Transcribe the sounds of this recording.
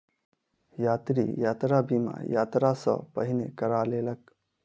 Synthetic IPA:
jaːt̪ɾḭjaːt̪ɾabʱimã̰jaːt̪ɾasə̰pəɦinḛkəɾaleːlək

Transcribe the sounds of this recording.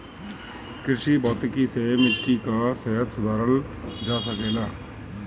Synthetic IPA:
kɪɾʃibɔːt̪ɪkisemɪkikaseɦət̪sʊd̪ʱaːɾəl | d͡ʒaːsəkeːlaː

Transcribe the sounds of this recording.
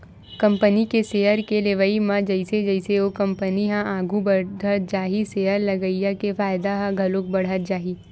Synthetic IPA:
kɐ̃mpənikeseɦəɾkeleʋəimãd͡ʒɐɪsed͡ʒɐɪseokɐ̃mpəniɦãʔaːɡʱubəɖət̪̚d͡ʒaːɦisejəɾlɐɡəijakefaːjɪd̪aɦãɡʱɐlok̚bɐɽ̤ət̪̚d͡ʒaːɦiː

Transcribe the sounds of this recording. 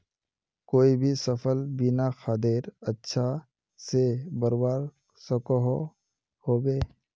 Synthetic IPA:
koːibʱisɐpʰəlbinaxad̪eɾɐtːʃʰa | sebəɾwaːɾ | sɐkoɦo | hoːbeː

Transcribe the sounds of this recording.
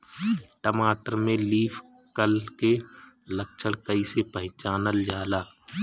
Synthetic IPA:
ʈəmaːʈəɾmẽliːfʰkəlke | lək̚t͡ʃʰəɽkəisepə̃ɦɪ̃t͡ʃaːnəld͡ʒaːlaː

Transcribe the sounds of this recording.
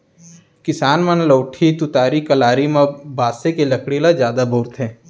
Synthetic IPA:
kɪsaːnmɐnləːʈʰit̪ʊt̪aːɾikɐlaːɾimãbaːsekelɐkɽilazjaːd̪abʱoːɾt̪ɦɛ̃ː

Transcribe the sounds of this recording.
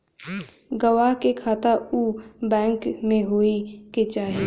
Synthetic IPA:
ɡəʋaɦkekʰaːt̪aubɛ̃ːŋkmẽɦoːiket͡ʃaːɦi

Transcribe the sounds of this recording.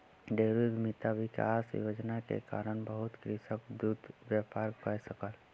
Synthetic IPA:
ɖeːɾumɪt̪aʋɪka̰sjo̰d͡ʒnakḛka̰ːɾəɳbəɦʊt̪kɾɪsəkd̪ud̪ʋjaːpaːɾkəjsəkəl

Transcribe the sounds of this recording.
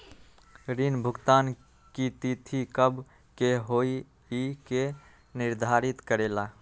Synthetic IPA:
ɾinbʱʊɡt̪an | kit̪it̪ʰikəbʱ | keɦoi | ike | nɪɾd̪ʱaɾit̪kəɾela

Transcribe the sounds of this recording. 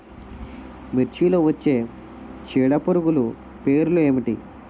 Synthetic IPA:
miɾt͡ʃiloːʋɐt͡ʃːe̞ː | t͡ʃiːɽɐpuɾuɡulu | pe̞ːɾulueːmiʈi

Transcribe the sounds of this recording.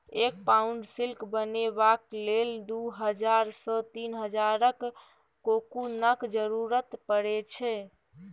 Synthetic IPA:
ek̚pauɳɖsilkbənebakleld̪uɦəd͡ʒaɾsɔt̪inɦəd͡ʒaɾəkː | okunəkd͡ʒəɾuɾət̪pəɽɛt͡ʃʰɛ

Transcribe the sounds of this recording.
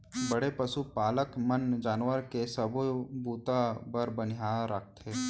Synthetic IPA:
bəɽepəsupaːləkmənd͡ʒaːnwəɾkesəbobuːt̪abəɾbənɪjaːɾək̚ʰt̪eː

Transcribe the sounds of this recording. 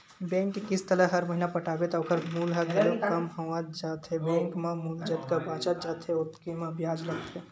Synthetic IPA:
bɛ̃ːŋkːkɪst̪ələɦɐɾməɦinapəʈaːbet̪ɔokʰəɾmuːlɦət̪okɐmɦəʋãd͡ʒaːt̪ʰɦebɛ̃ŋkmãmuːld͡ʒət̪kabãːt͡ʃad͡ʒaːt̪ʰeʊt̪kimãbijaːd͡ʒləɡt̪e

